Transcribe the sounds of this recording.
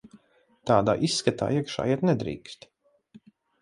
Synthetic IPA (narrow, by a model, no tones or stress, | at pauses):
t̪aːd̪a̰ːʔisːkat̪a̰ːiɛkʃa̰ːjiɛt̪nɛd̪ɾḭːkst̪